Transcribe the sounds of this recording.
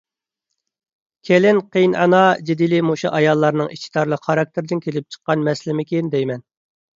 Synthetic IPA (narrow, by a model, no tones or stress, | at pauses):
kʲʰelɪnqʰejnɑ̰nɑd͡ʒed̪ilɪmuʃuʔɑjɑlˠːɑɾnɨŋiʃt̪ʰi̥d̪ɑɾlˠəqχɑɾɑk̚t̪ʰɪɾd̪ɪnkʲʰelɪp̚t͡ʃʰə̥qːɑnmɛslɪmɪkʲʰend̪ɛjmɛn